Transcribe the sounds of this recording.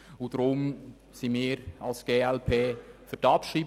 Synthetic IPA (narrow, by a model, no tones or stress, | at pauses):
ʊd̥ɾʊm | simiːɾɑlsɡ̥eːɛlpʰeːfʏɾtɑpʃriːb